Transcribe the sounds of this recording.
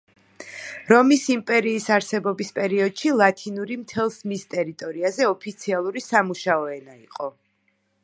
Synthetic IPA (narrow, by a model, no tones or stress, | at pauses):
ɾɔmisimpʼɛɾiːsaɾsɛbɔbispʼɛɾiɔd̪̥ʃilˠat̪ʰinuɾimt̪ʰɛlˠsmist̪ʼɛɾit̪ʼɔɾiazɛɔpʰit̪sʰialˠuɾisamuʃaɔɛnaiqʼɔ